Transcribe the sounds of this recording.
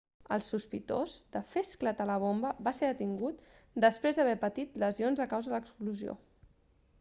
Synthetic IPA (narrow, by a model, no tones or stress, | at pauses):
ə̰lˠsuspit̪oz̥d̪əfesklət̪ələβ̞ombəβaseðət̪iŋɡut̪ | d̪əspɾezðəβɛpət̪it̪ləzionzəkawzəðələkskluzio̰